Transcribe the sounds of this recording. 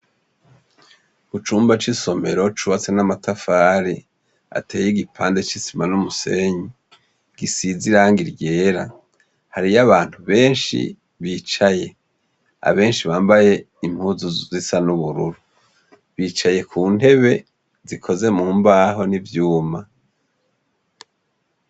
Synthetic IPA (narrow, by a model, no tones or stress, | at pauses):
ɡut͡ʃuːmbat͡ʃiso̞me̞ɾo̞t͡ʃuβat͡senamatafaːɾi | a̰teːjiɡipʰaːnde̞t͡ʃisimanumuse̞ɲi | ɡ̥isiziɾaːŋɡiɾɟe̞ːɾa | haɾijaβaːnthuβe̞ːnʃḭ | βiːt͡ʃaje̞ | a̰βe̞ːnʃiβaːmbaje̞ | im̥huːzuzisanuβuɾuɾu | βiːt͡ʃaje̞kʰuːn̥he̞βe̞ | zikʰo̞ze̞muːmbaːɦo̞nivjuːma